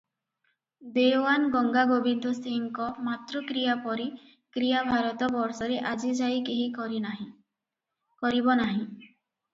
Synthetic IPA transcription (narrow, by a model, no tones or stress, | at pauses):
b̪eoanɡɔŋɡaɡobind̪ʱɔsiŋkɔmat̪ɾɔkɾijapɔɾi | kɾijabʱaɾɔt̪ɔbɔɾsɔɾeʔad͡ʒid͡ʒajkeɦiɾiɦi | kɔɾibɔnaɦĩ